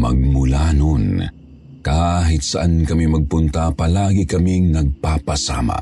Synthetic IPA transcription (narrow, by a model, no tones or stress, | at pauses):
mɐ̰ɡ̚mʊlaːnon | kaːɦɪt̪saʔankɐmimɐɡ̚pʊnt̪apɐlaːɡɪkɐmiŋnɐɡ̚papasa̰ːma̰